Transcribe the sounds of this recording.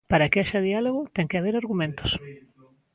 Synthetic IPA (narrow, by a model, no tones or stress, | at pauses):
paɾɐkɪaʃɐðialoɣʊt̪ɛŋkɪaβeɾaɾɣumẽnt̪ʊ̥s